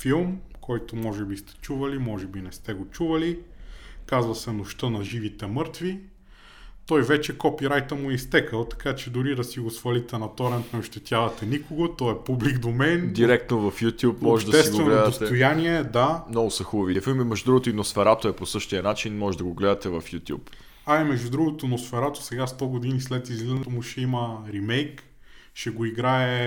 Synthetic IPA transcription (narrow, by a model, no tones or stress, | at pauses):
filˠmkʰɔjt̪omɔʒɛbist̪ɛ̥t͡ʃuvɐlimɔʒɛbinɛst̪ɛɡot͡ʃuvɐli | kazvɐsɛnʊʃt̪ənɐʒivit̪ɛmɤɾt̪vi | t̪ɔjvɛt͡ʃɛkɔpiɾajt̪əmʊist̪ɛkəlˠt̪ɐ̥kat͡ʃɛd̪ʊɾid̪ɐsiɡosfɐlit̪ɛnɐt̪ɔɾɛnt̪nɛoʃt̪ɛt̪ʲjavɐt̪ɛnʲikoɡot̪ɔɛpubliɡd̪omɛnd̪iɾɛk̚t̪novɐfjut̪ʲjupmmoɔʒɛʃd̪ɐɛsitɡ̪vɛnɡloɛd̪ət̪ɛt̪ojanʲiɛd̪amnɔɡʊsɐxubɐviɛfilˠmimɛʒud̪ɾuɡot̪oinosfɛɾat̪oɛposɤʃt̪iɐnat͡ʃinmɔʒɛd̪ɐɡoɡlɛd̪ɐt̪ɛvɐfjut̪ʲjṵp | aimɛʒd̪ud̪ɾuɡot̪onosfɛɾat̪o̥sɛɡast̪ɔɡod̪inislɛt̪izlizomuʃɛiməɾimɛjk | ʃɛɡoiɡɾaɛ